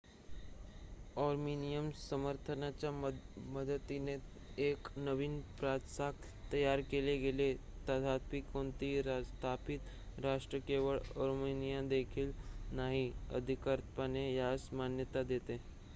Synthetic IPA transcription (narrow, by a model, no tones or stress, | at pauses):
ɔɾminijəmsəməɾt̪ʰənat͡ɕjaməd̪ət̪ine | eknəʋiːnpɾat̪sak | t̪əjaɾkeleɡelet̪ət̪ʰat̪̚piːkoɳt̪iːɾat̪ʰapit̪ | ɾaʂʈɾəkeʋəɭɔɾminijãd̪ekʰiːlnaɦiə̰d̪ʱikəɾt̪panejasmanjət̪ad̪et̪e